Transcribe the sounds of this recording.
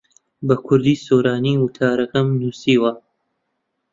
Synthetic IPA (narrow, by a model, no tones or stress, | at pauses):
bɐkʰʊɾd̪iːsoːɾaːniːwʊt̪ʰaːɾɐkɐmnuːsiːwɐ